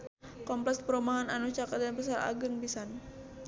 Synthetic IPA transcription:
kɔmplɛkspəɾumaɦananut͡ʃakat̪̚danpas̬aɾa̰ɡəŋbisan

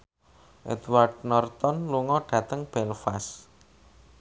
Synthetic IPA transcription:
ʔɛ̰t̪wardnɔrt̪ɔnluŋɔɖ̥ä̤t̪əŋb̥ɛlfas

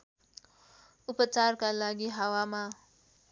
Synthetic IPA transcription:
upət͡ʃaɾkalaɡiɦawamã

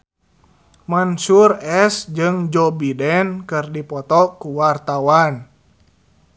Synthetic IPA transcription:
mansurɛsd͡ʒɨŋd͡ʒɔbidɛnkɨrdipɔt̪ɔkuwart̪awan

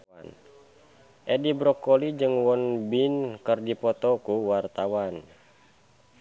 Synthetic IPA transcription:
an | ʔɛdibɾɔkɔlid͡ʒɨŋwɔnbinkərdipɔt̪ɔkuwart̪awan

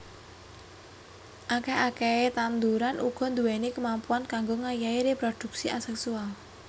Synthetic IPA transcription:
ʔakɛhakɛet̪and̪uɾanʔuɡ̥ɔ̤nd̪uwɛnekəmampuankaŋɡoŋajaeɾepɾod̪̥ṳk̚siʔasɛksual

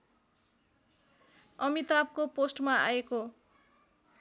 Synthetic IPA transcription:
ʌmit̪ab̚koposʈmaa̰eko

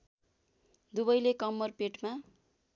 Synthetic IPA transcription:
d̪ubʌjlekʌmːʌrpeʈma

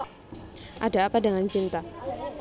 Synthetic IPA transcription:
ʔada̤ːpadəŋant͡ʃint̪a

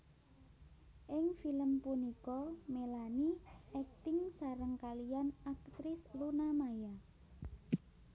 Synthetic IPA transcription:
ʔɪŋfiləmpunikɔmelaniʔɛk̚t̪ɪŋsaɾəŋkalijanak̚t̪ɾɪslunamaja

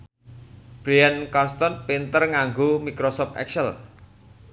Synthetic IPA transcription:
b̥ɾijankɔnst̪ɔnpint̪ərŋaŋɡomikɾosɔpɛ̰ksəl

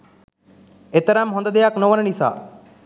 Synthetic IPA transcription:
et̪əɾamɦond̪əd̪ejaknoʋənənisa̰ː

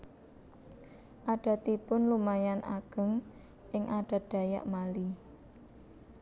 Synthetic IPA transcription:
ʔaɖ̥a̤t̪ipʊnlumajana̰ɡ̥ə̤ŋ | ʔɪŋʔaɖ̥a̤d̥ä̤ja̰ʔmali

